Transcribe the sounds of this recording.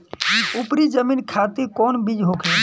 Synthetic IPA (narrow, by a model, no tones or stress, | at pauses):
upɾid͡ʒəminkʰat̪iɾkɔnbid͡ʒɦokʰɛ